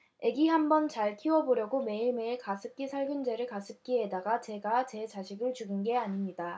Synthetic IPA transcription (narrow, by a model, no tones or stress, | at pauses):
e̞ɡihambʌnt͡ɕaɭkʰiwʌboɾjʌɡome̞iɭmeiɭkasʰɯp̚k͈isʰaɭɡɯnd͡ʑe̞ɾɯɭkasʰɯp̚k͈ie̞daɡat͡ɕe̞ɡat͡ɕe̞t͡ɕaɕʰiɡɯɭt͡ɕuɡɯnɡe̞aɲimɲida